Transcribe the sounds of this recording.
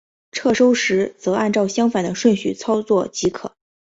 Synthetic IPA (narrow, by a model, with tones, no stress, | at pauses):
ʈ͡ʂʰɤ˥˩ʂo˥ʊʂɻ̩˧˥t͡sɤ˧˥a˥˧nʈ͡ʂɑ˥˩ʊɕjɑ˥ŋfa˨˩nd̪ə˦ʂwə˥˩nɕy˥˩t͡sʰɑ˥ʊt͡swɔ˥˩t͡ɕi˧˥kʰɤ̰˨˩˦